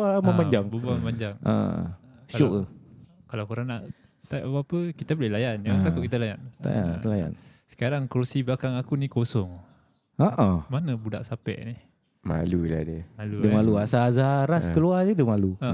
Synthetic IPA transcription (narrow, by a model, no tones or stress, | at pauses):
aəmaɲd͡ʒaŋbubaməmaɲd͡ʒaŋə̰̃ | ʃaoʔ | kalakuɾaŋnaʔ | t̪apapaapəkit̪abolɛhlajanjat̪akutʔ̚kit̪alajant̪a̰a̰laja̰nsə̥kaɾaŋkəɾusiblakaŋakunikosɔŋ | aʔamanəbuda̰ʔsapɛ̰ʔni | ma̰luila̰dəəmaludəmaluasazaɾaskəluadədəmalua